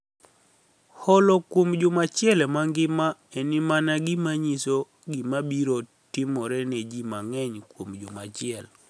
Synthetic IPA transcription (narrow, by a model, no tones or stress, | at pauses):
hɔlɔkwomd͡ʒʊmat͡ʃɪɛlɛmaŋɡɪmaɛnɪmanaɡɪmaɲiso | ɡɪmabiɾo | tɪmɔɾɛned͡ʒimaŋɛɲkwomd͡ʒʊmat͡ʃɪɛl